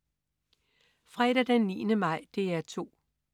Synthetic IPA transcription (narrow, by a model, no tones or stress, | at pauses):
fʁɛɾ̥ɐd̥enːḭːnəmɑ̈ɪ̰d̥e̝æɐt͡sʰo̝̰ː